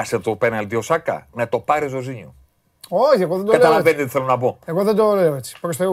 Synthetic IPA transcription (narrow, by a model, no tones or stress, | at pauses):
ɐset̪openɐlt̪iosɐkɐ̰nɐt̪o̞pɐɾezoziɲo | oçɐɣoðend̪okɐlɐlɐvenid̪oiθelonɐboeɣoðẽnd̪oleve̥pɾst̪